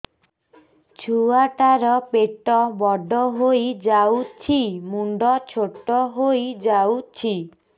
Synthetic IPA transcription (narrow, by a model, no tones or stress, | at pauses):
t͡ʃʰuaʈaɾɔpeʈɔbɔɖʱɔɦojd͡ʒawt͡ʃʰimuɳɖɔt͡ʃʰoʈɔɦojd͡ʒawt͡ʃʰi